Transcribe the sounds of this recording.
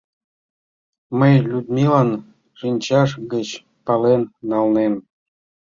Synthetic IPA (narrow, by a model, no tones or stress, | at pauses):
məjlʲud̪mʲilɑn | ʃinʲt͡ɕɑʃɡət͡ɕ | pɑlenːɑlnen